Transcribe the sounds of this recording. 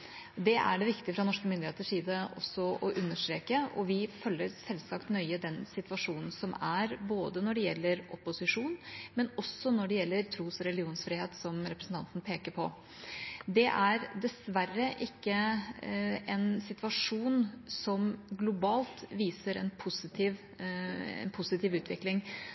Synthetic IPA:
d̪ɛʔæ̰ɖɛʋɪkt̪ɪfɾɑnɔʂkəmʏnd̪ɪheːt̪əʂiːd̪əɔ̰sːɔʔɔʔʉnːəʂʈ̪ɾeːkəɔʋɪfœlːəɾsɛlsɑkt̪nœʏəd̪ɛnsɪt̪ʋɑʂuːnn̩sɔmæɾboːd̪ənɔɖɛjɛlːəɾɔpʊsɪʂuːnmɛnɔsːɔnɔɖɛjɛlːəɾt̪ʰɾuːsɔɾɛlɪuːnsfɾiːheːt̪sɔmɾɛpɾəsn̩t̪ɑnt̪nəpʰeːkəɾpʰɔ̰ | d̪ɛʔæɾd̪ɛsʋærːəʔɪkːə | ɛnsɪt̪ʋɑʂuːnsɔmɡlʊbɑːlt̪ʋiːsəɾɛ̰npʰʊsɪt̪ʰiːʋ | ɛ̰npʰʊsɪt̪iːʋʉːt̪ʰʋɪklɪŋ

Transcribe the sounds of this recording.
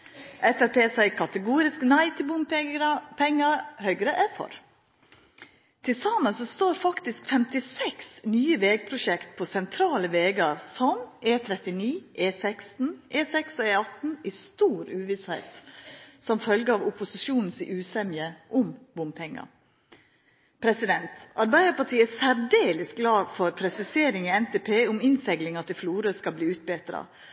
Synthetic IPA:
ʔɛsɛpʰeːsæɪkʰɑt̪əɡuːɾɪsknæɪt̪ʰɪlbʊmpɛɾpʰɛŋːəhœʏɡɾəʔɛfɔ̰ɾ | t̪ʰɪlsɑmːəsɔst̪oːɾfɑkt̪ɪskfɛmt̪ɪsɛksnyːəʋeːɡ̚pʰɾʊʂɛkt̪̚pʰɔsɛnt̪ʰɾɑːləʋeːɡɑɾsɔmʔeːt̪ʰɾɛt̪ɪniːʔeːsɛkst̪n̩ʔeːsɛksɔeːɑt̪n̩ɪst̪uːɾʉːʋɪshæɪt̪sɔmfœlɡəɑʋʊpʊsɪʂuːnn̩sʔʉːsɛmjəʔʊmbʊmpʰɛŋːɑ̰ | pʰɾɛsɪd̪ɛnt̪ɑɾbæɪd̪əpɑʈ̪ʰiːəɛsæɾɖeːləs̚ɡlɑːfɔɾpʰɾɛsɪseːɾɪŋɪɛnt̪ɛpʰeːʊmɪnsɛɡlɪŋɑt̪ʰɪlfluːɾəskɑlbliːʉːt̪̚beːt̪ɾɑ̰

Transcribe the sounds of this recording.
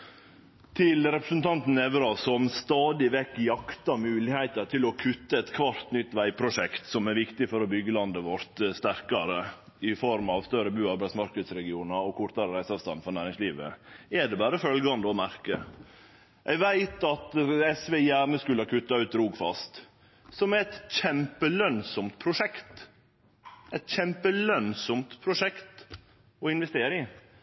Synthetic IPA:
t̪ʰɪlɾɛpɾəsn̩t̪ʰɑnt̪n̩ɛʋɾɑsɔmst̪ɑːd̪ɪʋɛkːjɑkt̪ɑmʉːlɪhæɪt̪əɾt̪ʰɪlɔkʰʉt̪ːəɛt̪kʰʋɑɾt̪nʏt̪ːʋæɪpʰɾʊʂɛkt̪sɔmæɾʋɪkt̪ɪfɔɾɔbʏɡːəlɑnd̪əʋɔɾt̪st̪æɾkɑɾə | ɪfɔɾmɑʋst̪œɾəbʉːɑbɾɛsmɑɾkəd̪sɾɛɡɪuːnɑɾɔkʰʊɾt̪ɑɾəɾæɪsɑʋst̪ɑnfɔɾnæːɾɪŋsliːʋə̰ɛɖɛbɑːɾəfœlɡɑnd̪əɔmæɾkə | ʔɛʋæɪt̪ɑt̪ɛsʋejæɳəskʉləhɑkʰʉt̪ːɑʉːt̪ɾuːɡfɑst̪ | sɔmæɾɛt̪ɕɛmpəlœnsɔmt̪̚pʰɾʊʂɛkt̪ | ɛt̪çɛmpəlœnsɔmt̪pʰɾʊʂɛkt̪ | ɔɪnʋɛst̪eːɾɪ

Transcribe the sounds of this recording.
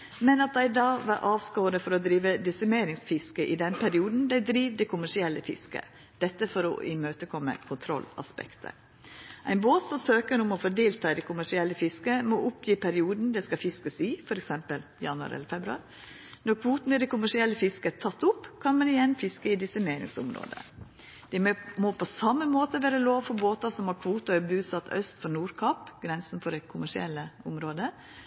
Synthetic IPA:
mɛnɑt̪̚d̪æɪd̪ɑːʋɑɾʔɑːʋskoːɾəfɔɾɔd̪ɾiːʋəd̪ɪsæmeːɾɪŋsfɪskəʔɪd̪ɛnpʰæɾɪuːd̪n̩d̪æɪd̪ɾiːʋd̪ɛkʰʊmæʂɪɛlːəfɪ̰skə̰ | d̪̥ɛt̪ːəfɔɾɔ̰ʔɪmøːt̪əkʰɔmːə̰kʰʊnt̪ʰɾɔ̰lːɑ̰spɛ̰kt̪ʰə̰ɾ | ʔæɪnboːt̪sɔmsøːkəɾʊmɔfɔɖ̪eːlt̪ʰɑːɪd̪ɛkʰʊmæʂɪɛlːəfɪskəmɔʔʊpjiːpʰæɾɪuːd̪n̩d̪ɛskɑfɪskəsiːfɔɾɛksɛmpəljɑ̰nʉɑ̰ɾɛ̰lːəɾfɛbɾʉɑ̰ɾ | nɔɾkʰʋuːt̪n̩ɪd̪ɛkʊmæʂɪɛlːəfɪskət̪ʰɑt̪ːʊpːkʰɑnmɑnɪjɛnfɪskəɪd̪ɪsəmeɪnɪ̰ŋsʊ̰mɾo̰ːd̪ə̰ | d̪̥ɛmopʰɔsɑmːəmoːt̪əʋæːɾəloːʋfɔɾboːt̪ɑsɔmhɑkʰʋuːt̪ʊœbʉːsɑt̪ːœ̰st̪fɔnuːɾkʰɑpɡ̥ɾɛnsn̩fɔɾɛkʰʊmæʂɪɛ̰lːəʊmɾoːd̪ə

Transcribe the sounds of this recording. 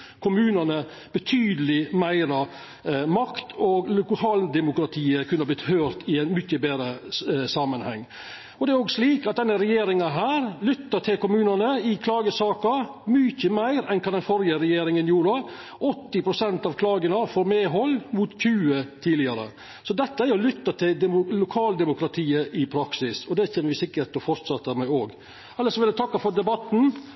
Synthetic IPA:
kʰʊmʉːnɑnə | b̥ət̪ʰyːd̪əlɪmæɪɾɑ | mɑkt̪ʰɔɡlkʰɑːld̪ɛmʊkɾɑt̪ʰiːəkʰʉnːəɑblɪt̪høːɾt̪ʰɪæɪnmʏçːəbeːɾəsɑmənhɛ̰ŋː | ɔd̪ɛæɾoːɡʂliːkɑt̪̚d̪ɛnːəɾɛjeːɾɪŋɑɦæːɾlʏt̪ːəʈʰɪlkʊmʉːnɑnəɪkʰlɑːɡəsɑːkɑ | myçəmæɪɾɛnkʰɑnd̪ɛnfɔɾjəɾɛjeːɾɪŋənjuːɾə | ʔɔt̪ːɪpʰɾʊsɛnt̪ɑʋkʰlɑːɡənəfoːɾmeːɦɔlːmut̪çʉːət̪ʰiːlɪɑɾə̰ | sɔd̪ɛt̪ːəæɾɔlʏt̪ːəʈ̪ʰɪld̪ɛlʊkʰɑːld̪ɛmʊkɾɑt̪ʰiːəʔɪpʰɾɑksɪsɔd̪ɛçɛːnəʋɪsɪkːəɾʈ̪ɔfɔɾt̪sɑt̪ːəmæɪoːɡ | ɑlːəsɔmʋɪlət̪ʰɑkːɑfɔɾd̪ɛbɑt̪ːn̩

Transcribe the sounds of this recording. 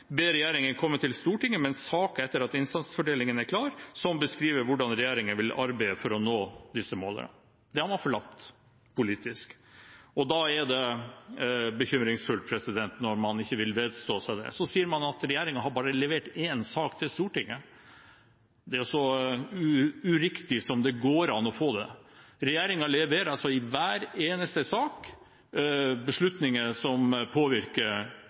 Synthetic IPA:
beːɾɛjæːɾɪŋənkʰɔmːət̪ʰɪlst̪uːʈɪŋːəmɛnsɑːkəɛt̪ːəɾɑt̪ɪnst̪ɑnsə̥fɔɖeːlɪŋənæɾkʰlɑːɾsɔmbəskɾiːʋəɾʋʊɖɑnɾɛjeːɾɪŋənʋɪlɑ̰ɾbæɪəfɔɾɔnoːd̪ɪsəmoːlə̰nə̰ | d̪ɛhɑɾmɑnfɔɭɑt̪ː | pʰʊliːt̪ɪsk | ɔd̪ɑɛɾd̪ɛ | bəçʏmɾɪŋsfʉlt̪̚pʰɾɛsɪd̪ɛnt̪nɔɾmɑnɪçːəʋɪlʋeːd̪st̪oːsæɪd̪ɛ̰sɔsiːəɾmɑnɑt̪ɾɛjeːɾɪŋɑɦɑɾbɑːɾəlɛʋeːʈeːnsɑːkt̪ʰɪlst̪uːʈɪŋːə | d̪ɛæɾɔsɔʉʉɾɪkt̪ɪsɔmd̪ɛɡoːɾɑnɔfoːd̪ɛ̰ɾɛjeːɾɪŋɑlɛʋeːɾɑlsɔɪʋæːɾeːnəst̪əsɑːk | bəʂɭʉt̪nɪŋəsɔmpʰoːʋɪɾkəɾ

